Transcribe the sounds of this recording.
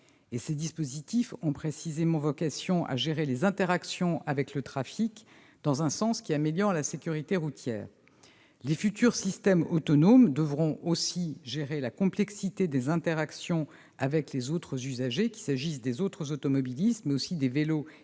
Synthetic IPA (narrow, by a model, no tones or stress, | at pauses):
esed̪ispozit̪ifɔ̃pχesizemɑ̃vɔkʲasjɔ̃ʔa̰ʒeʁelezɛ̃t̪eʁaksjɔ̃ʔavɛklət̪χafik | d̪̥ɑ̃zɛ̃sɑ̃skʲiameljɔʁlasekʲyʁit̪eʁut̪jɛ̰ːʁ | lefyt̪yʁsist̪ɛmɔt̪ɔnomd̪əvʁɔ̃ʔosiʒeʁelakɔ̃plɛksit̪ed̪ezɛ̃t̪eʁaksjɔ̃ | avɛklezot̪χəzyzaʒekʲi̥saʒis̬d̪ezot̪χəzot̪ɔmɔbilist̪mɛosid̪evelo